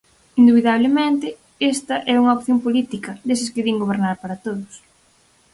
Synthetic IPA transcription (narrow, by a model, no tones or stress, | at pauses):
ind̪uβiðaβ̞lemẽnt̪ɪ | est̪ɐʔɛuŋɐopθjompolit̪ikɐðes̬ɪskeðiŋɡoβ̞eɾnaɾpaɾɐt̪oðʊs